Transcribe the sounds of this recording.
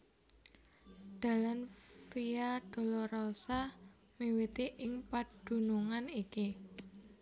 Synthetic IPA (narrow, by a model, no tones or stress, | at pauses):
d̪̥a̤lanfijaɖ̪̥ɔ̤lɔɾɔsa | miwit̪iʔɪŋpad̥ṳnuŋaniki